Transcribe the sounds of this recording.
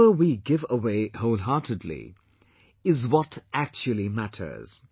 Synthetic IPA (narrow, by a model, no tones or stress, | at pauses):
əwiɡɪvəweɪhoʊlˠɦɑɹtʰɨdˡlḭ | ɪzwɔtʔæk̚t͡ʃulˠimætʰə̰˞z̥